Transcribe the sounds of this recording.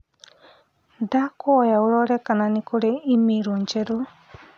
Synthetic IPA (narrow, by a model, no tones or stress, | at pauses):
dakoɔjaoɾɔɾɛkananikoɾeimiɾoɲt͡ʃɛɾo